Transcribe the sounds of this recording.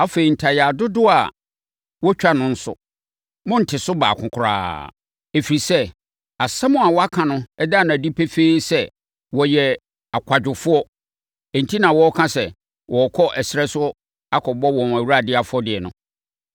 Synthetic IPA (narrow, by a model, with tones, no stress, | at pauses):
a˦fe˨i˨n̩˨tʰa˨ja˨dʊ˦dʊ˦a˨ | wɔ˦t͡ɕᶣa˦nʊ̃˦n̩˦sʊ̰˦ | mʊ̃˦n̩˨tʰɪ˨sʊ˦ba̰ː˨kʰʊ̃˨kʰʊ˨ɾa̰ː˦ | e˨fi˨ɾi˨sɛ˦ | a˨sɛ˦mʊ̃˦a˨wɔ˦a˦kʰã˨nʊ̃˦ɛ˦da˦˨nʊ̃˨æ˨di˦pʰe˦fe˦sɛ˦ | wɔ˨jɛ˨ | a˨kʷʰa˨d͡ʑᶣʊ˨fʊ˦ɔ˦ | ɛ˨n̩˨tʰi˦nã˨wɔ˦kʰã˦sɛ˨ | wɔ˨kʰɔ˦ʔɛ˨sɪ˦ɾɛ˦sʊ˦ | a˦kʰɔ˨bɔ˦wɔ̃˨næ˨wu˦ɾa˦˨dɪ˦a˨fʊ˦ɔ˦dɪ˨ɛ˨nʊ̰̃˦